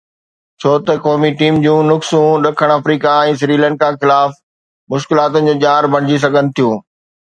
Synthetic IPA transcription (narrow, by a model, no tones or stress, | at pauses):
t͡ɕʰoːt̪ɐkɔːmiʈiːmd͡ʑũːnʊksũɗɐkʰəɽ̃ɐfɾiːkaɛ̃ːs̬ɾiːlə̃ːɳɖ̚kãxɪlaːf | mʊʃkɪlaːt̪ʊnɪ̆d͡ʑoːʄaːɾbʱɐɽ̃ɪd͡ʑis̬ɐɡʱənɪ̆t̪ʰijũː